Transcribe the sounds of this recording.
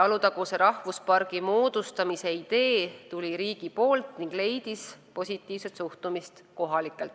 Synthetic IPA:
ɑlut̪ɑkuseɾɑhvuspɑrɡ̥imoːd̪̥ust̪ɑmise̞id̪̥e̞ːt̪ulʲiɾiːɡ̥ipo̞ːlt̪niŋɡ̥le̞jd̪̥ispo̞sʲit̪ːˑiːvse̞t̪suht̪umist̪ko̞ɦɑlikːˑelt̪ːˑ

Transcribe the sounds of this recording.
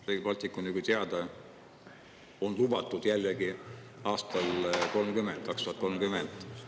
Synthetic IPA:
reːɡipɑlʲt̪ikːˑuniɡut̪eɑd̪̥ɑ | o̞nlubɑt̪ːˑud̪̥jælːeɡi | ɑːst̪ɑlko̞lmkymend̪̚kɑkst̪uhɑt̪̚ko̞lmkymend̪̥

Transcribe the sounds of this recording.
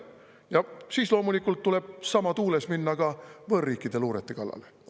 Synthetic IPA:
jɑsiːslo̞ːmulikːˑult̪ːule̞b̥̚sɑmɑt̪uːlesminːɑkɑvɤːrːiːkːˑid̪e̞luːɾet̪ːˑekɑlːɑ̰le

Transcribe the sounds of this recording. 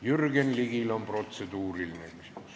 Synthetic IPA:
jyrɡenliɡilo̞mpro̞t̪sed̪̥uːɾilnækisims

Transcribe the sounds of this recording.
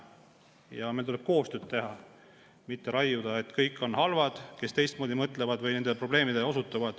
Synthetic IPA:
jɑmelt̪uleb̥̚ko̞ːst̪ø̞ːd̪̥̚t̪e̞ɦɑ | mit̪ːe̞ɾɑjːud̪̥ɑe̞t̪ːkɤjkːˑo̞nhɑlvɑd̪̥ke̞st̪e̞jst̪moːd̪imɤt̪ːˑlevɑd̪vɤjne̞nd̪̥epro̞b̥le̞ːmid̪̥e̞o̞sut̪ːˑɑvɑd̪̥

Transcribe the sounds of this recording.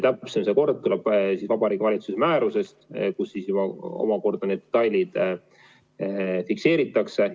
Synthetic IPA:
t̪æpsemseko̞rd̪̥̚t̪uleb̥sisvɑbɑɾiːɡvɑlʲit̪susemæːɾuse̞st̪kusːisjubɑo̞̰mɑko̞rd̪̥ɑne̞d̪ːet̪ːˑɑjlʲid̪̥ | fikse̞ːɾit̪ːˑɑkse̞

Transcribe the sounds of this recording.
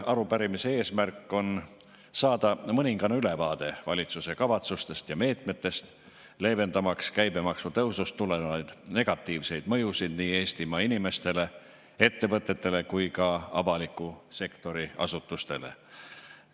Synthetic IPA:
ɑɾupæɾimise̞e̞ːsmærkːˑo̞n | sɑːd̪̥ɑmɤnʲiŋɡ̥ɑnyle̞vɑːd̪̥e̞vɑlʲit̪suse̞kɑvɑt̪sust̪e̞st̪jɑme̞ːt̪me̞t̪ːe̞st̪ | le̞ːve̞nd̪̥ɑmɑkskæjbe̞mɑksut̪ɤwsust̪ːuleɑjd̪̥ne̞ɡ̥ɑt̪ːˑiːvse̞jd̪̥mɤ̞jusid̪̥niːe̞ːst̪imɑinime̞st̪e̞le̞ | e̞t̪ːe̞vɤt̪ːˑe̞t̪ːe̞le̞kujkɑɑvɑlikːuse̞kt̪o̞ɾiɑ̰sut̪ːˑust̪e̞̰lḛ

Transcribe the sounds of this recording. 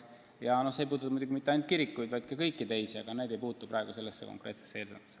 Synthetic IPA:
jɑno̞hsejpuːd̪umud̪ʲuɡimit̪ːˑeɑjnt̪̚kiɾikːujd̪vɑjd̪̥̚kɑkɤjkːˑit̪e̞jsiɑ̰ɡ̥ɑne̞jd̪e̞jpuːt̪ːˑuprɑˑeɡ̥use̞lːesːeko̰ŋkˑre̞̰ːt̪sesːeeːld̪emise

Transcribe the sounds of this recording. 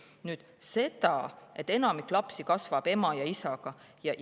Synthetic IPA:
nyːd̪̥ | se̞d̪̥ɑ̰e̞t̪ːe̞nɑmikːˑlɑpsikɑsvɑb̥e̞mɑjɑisɑɡ̥ɑ | jɑ

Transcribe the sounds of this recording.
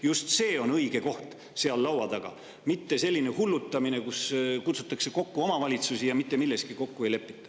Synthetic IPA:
just̪se̞ːo̞nɤiɡ̥e̞ko̞ht̪ | se̞ɑlːɑwɑd̪ɑɡ̥ɑ̰ | mit̪ːe̞se̞lʲːinehulːut̪ːɑmine̞kuskut̪su̥t̪ːˑɑkse̞ko̞kːuo̞mɑvɑlʲit̪susijɑmit̪ːe̞milːe̞st̪̚kiko̞kːuejle̞pːi̥t̪ːˑɑ̥

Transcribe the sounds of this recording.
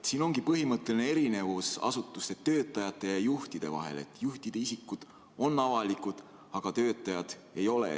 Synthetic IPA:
siːno̞ŋɡipɤɦimɤt̪ːˑe̞lne̞e̞ɾine̞vusɑ̰sut̪ːˑust̪et̪ːø̞ːt̪ˑːɑjɑt̪ːˑe̞jɑjuht̪id̪̥e̞̰vɑ̰ɦe̞̰le̞̰t̪ːˑjuht̪id̪̥e̞isikːˑud̪̥ | o̞nːɑvɑlikud̪̥ | ɑɡ̥ɑt̪ø̞ːt̪ˑːɑjɑd̪̥e̞jo̞lḛ

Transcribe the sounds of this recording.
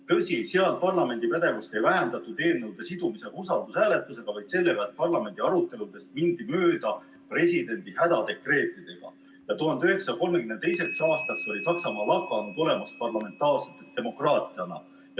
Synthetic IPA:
t̪ɤsʲiseɑlpɑrlɑme̞nd̪ipæd̪̥e̞vust̪e̞jvæɦænd̪ɑt̪ːˑud̪̥e̞ːnːɤwd̪̥e̞sid̪umise̞ɡ̥ɑusɑld̪̥ushæːle̞t̪ːˑuse̞ɡ̥ɑvɑjd̪se̞lːe̞ɡ̥ɑet̪̚pɑrlɑme̞nd̪̥iɑɾut̪ːˑe̞lud̪̥e̞st̪̚mind̪imøːd̪̥ɑ | pre̞sʲid̪̥e̞nʲd̪̥ihæd̪̥ɑd̪̥e̞kre̞ːt̪ːˑid̪̥e̞ɡ̥ɑ̰ | jɑt̪uɦɑnd̪eyɦe̞ksɑko̞lmekynt̪ejse̞ksɑːst̪ɑkso̞lʲisɑksɑmɑːlɑkːˑɑnud̪o̞le̞mɑspɑrlɑme̞nt̪ːˑɑːrset̪ːˑet̪d̪̥e̞mo̞krɑːt̪ˑiɑnɑ̰ | j

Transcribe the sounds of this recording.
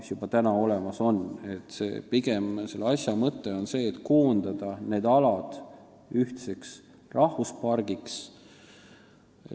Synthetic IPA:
isjub̥ɑt̪ænɑo̞lemɑso̞ne̞t̪ːsḛːpiɡ̥e̞mse̞lːɑsjɑmɤt̪ˑːe̞o̞nse̞ːt̪ːˑkoːnd̪̥ɑd̪̥ɑne̞ːd̪ɑlɑd̪̥ | yht̪se̞ks | rʔɑhvuspɑrɡ̥iks

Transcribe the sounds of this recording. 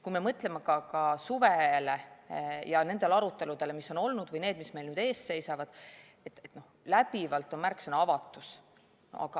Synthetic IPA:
kuime̞mɤt̪ːˑlemɑkɑkɑsuvelejɑne̞nd̪̥e̞lɑɾut̪ːˑe̞lud̪̥e̞lemiso̞no̞lnud̪vɤjne̞ːd̪̥misme̞jlnyːd̪e̞ːsse̞jsɑvɑd̪̥ | et̪ːet̪ːno̞ | læpivɑlt̪ːˑo̞nmærksenɑvɑt̪ːˑus | ɑ̰ɡ̥ɑ

